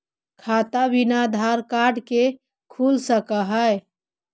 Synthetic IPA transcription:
kʰat̪abinad̪ʱaɾkaɖke | kʰulsəkəɦəj

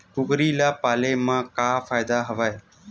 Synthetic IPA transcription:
kʊkɾiːlaːpaːleːmãːkaːfaːɪd̪aːɦəʋaːe

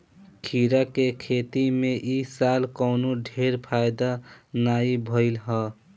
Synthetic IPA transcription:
kʰiɾakekʰet̪imẽʔisalkəʊnoɖʱeɾpʰajd̪anaibʱəɪlɦə

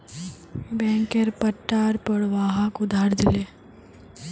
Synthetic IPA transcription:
bɛ̃ːŋkeɾpɐʈːaːɾpəɽʋaːɦakʊd̪ʱaːɾd̪ɪleː

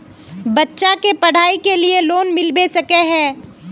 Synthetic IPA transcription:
bɐtːʃakepɐɽ̤aːikelieloːnmɪlbesɐkeɦɛ̃ː

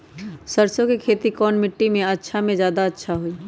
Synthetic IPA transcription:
səɾsõkekʰeːt̪ikɔːnmɪʈːimẽətːʃʰamẽd͡ʒjaːd̪aətːʃʰaɦoi

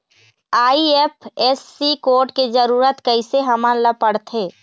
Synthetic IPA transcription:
aːiepɛːsːikoːɾʈked͡ʒəɾuːɾət̪kəiseɦɐmə̃nləpəɽt̪ʰeː

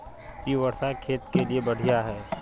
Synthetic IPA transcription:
jiʋɐɾsakʰeːt̪keliebɐɽ̤ijaɦɛː

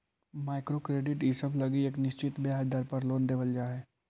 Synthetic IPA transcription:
maːɪkɾoːkɾeːɖɪʈiːsəblɐɡieːknɪʃt͡ʃɪt̪beaːd͡ʒd̪əɾpɐɾloːnd̪eːʋəld͡ʒaːɦɛː

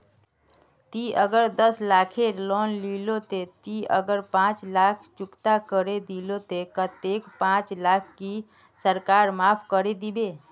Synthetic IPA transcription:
t̪iəɡəɾd̪əslaːkʰelɔnlilot̪et̪iəɡəɾpãːt͡ʃlakʰt͡ʃʊkt̪akəɾed̪ilot̪ekət̪ekpãːt͡ʃlaːkʰki | səɾkaːɾmaːpʰkəɾed̪ibe

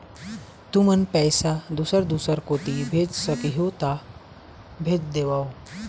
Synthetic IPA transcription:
t̪umənpɛjsad̪usəɾd̪usəɾkot̪ibʱed͡ʒsəkiɦot̪a | bʱed͡ʒd̪eʋao

